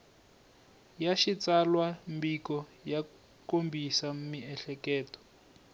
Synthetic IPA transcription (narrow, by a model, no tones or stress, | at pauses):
jaʃit͡salwambikɔja | kombisamiɛɬɛkɛːtɔ̥